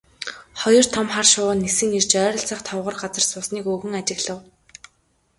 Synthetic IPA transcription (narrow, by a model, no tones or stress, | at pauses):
χɔjɞ̆r̥t̪ʰɔmχarʃʊːnːesɘ̆ŋirt͡ɕœːɾɞ̆ɬt͡sʰaχt̪ʰɔwʁə̆rɢat͡sə̆r̥sʊːsniːkɵɣɵ̆ŋat͡ɕɪ̆ɣɮə̆w